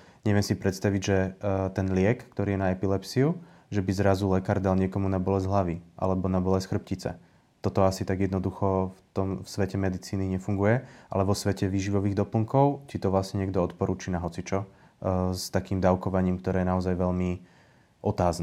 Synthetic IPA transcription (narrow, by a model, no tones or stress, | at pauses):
ɲɛʋɪɛmsipɾɛt̪st̪aʋiɟʒɛt̪ɛnlɪɛkːt̪ɔɾiːjɛnaɛpilɛpsiu | ʒɛbizɾazulɛkaːɾd̪alɲɪɛkɔmunabɔlɛzɦlaʋiʔa̰lɛbɔnabɔlɛsxr̩p̚cit͡sɛ̰ | t̪ɔt̪ɔasit̪aɡjɛd̪nɔd̪uxɔft̪ɔmfsʋɛcɛmɛd̪it͡siːniɲɛfuŋɡujɛʔa̰lɛʋɔsʋɛcɛʋiːʒiʋɔʋiːɣd̪ɔpl̩ŋkɔʊcit̪ɔʋlasɲɛɲɪɛɡd̪ɔɔt̪pɔɾuːt͡ʃiːnaɦɔt͡sit͡ʃɔ | st̪akiːmd̪aʊkɔʋaɲiːmkt̪ɔɾɛːjɛnaɔzajʋɛʎmi | ʔɔt̪aːznɛ